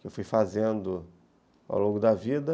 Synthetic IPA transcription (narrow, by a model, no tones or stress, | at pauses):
kɪewfujfazẽnd̪ʊ | a̰wlõɡʊd̪ɐvid̪ɐ